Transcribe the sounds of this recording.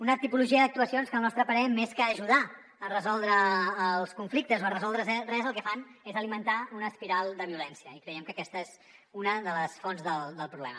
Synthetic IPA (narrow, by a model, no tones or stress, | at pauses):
unət̪ipuluʒiəd̪ək̚t̪uəsionskəlˠnɔst̪ɾəpəɾɛmeskəːʒuð̞a | ərəzɔlˠd̪ɾəːlˠskuɱflik̚t̪əzoərəzɔlˠd̪ɾəzɛrɛzəlˠkɛfanezəlimənt̪aunəspiɾalˠd̪əβiulɛnsiəikɾəjɛmkəkɛst̪əez | unəðələsfɔnzðəlˠd̪əlˠpɾuβlɛ̰mə